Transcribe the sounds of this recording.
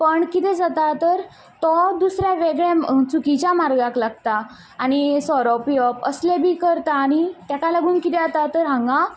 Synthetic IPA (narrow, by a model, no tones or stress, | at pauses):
pəɳkit̪ɛd͡zat̪at̪əɾ | t̪ɔd̪usɾjaʋeɡɭɛ̃t͡sʰukit͡ɕjamaɾɡaklaɡ̚t̪aː | ɽ̃isɔɾɔpiɔpəslebʱiːkəɾt̪aːɽ̃it̪jakalaɡuːnkit̪ɛat̪at̪əɾɦãŋɡa